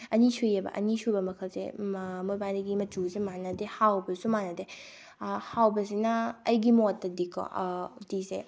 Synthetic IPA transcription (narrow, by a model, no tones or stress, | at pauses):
ɐnisujɐbɐ̰ʔɐ̰nisubɐmɐkʰɐlsḛmobajniɡimɐtuzemanɐdehawbɐsumanɐde | hawbɐsinɐɐjɡimotːɐdikʰɔ̰dise